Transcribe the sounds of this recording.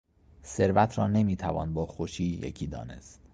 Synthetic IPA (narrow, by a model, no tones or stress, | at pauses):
se̞ɾvæt̪ʰɾɒːne̞miːt̪ʰævɒ̰ːnbɒːxoʃiːjḛcʰiːd̪ɒ̰ːne̞̰st̪